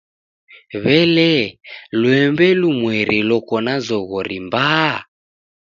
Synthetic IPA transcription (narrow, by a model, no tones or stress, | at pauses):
βɛlɛlwɛmbɛlumwɛɾilɔkɔnazɔɣɔɾimbaː